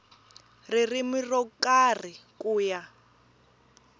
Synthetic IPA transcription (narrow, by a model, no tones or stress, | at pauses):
ririmirɔkar̤ikuːja